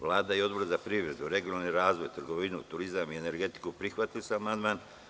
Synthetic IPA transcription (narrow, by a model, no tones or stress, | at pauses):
ʋlˠaːd̪aio̞d̪bo̞ɾzapɾiʋɾe̞d̪uɾe̞ɡionalniɾaːzʋo̞jt̪rɡo̞ʋinṵt̪uɾizamiene̞ɾɡe̞t̪i̥kupɾixʋat̪ilosamand̪maːn